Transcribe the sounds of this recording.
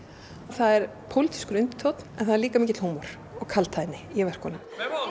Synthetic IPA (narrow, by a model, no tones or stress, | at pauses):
ɔθaðɛɾ̥ | pʰowlɪt̪ʰi̥skʏɾʏnt̪ɪ̥t̪ʰowt̪n̥ɛnθaðɾliːkamiːcɪt̪l̥huːmɔɾ̥ | ɔɣkʰalt̪ʰajt̪nɪjɛvɛr̥khɔːnʏm